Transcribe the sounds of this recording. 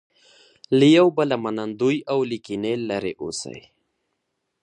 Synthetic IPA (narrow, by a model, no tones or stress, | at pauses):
lijawbalamanand̪ujawlikinelaɾḛʔṵsa̰j